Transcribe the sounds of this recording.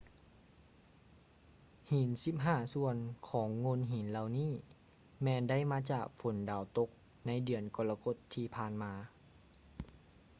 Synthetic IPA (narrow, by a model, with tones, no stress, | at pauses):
hiː˨˩˦nsi˧˦p̚ɦaː˧˥˩su˧ənkʰɔː˩˦ŋːo˧˥˨nɦiː˨˦nla˧wniː˥˩˨ | mɛː˧nda˥˨jmaː˧˥t͡ɕaː˨˩k̚fo˨˦ndaː˨˩wt̪o˧˥k̚ | na˧˥jdɯ˧˩ənkɔ˧˩la˧ko˧˩t̪ʰːiː˧pʰaː˧˩nmaː˧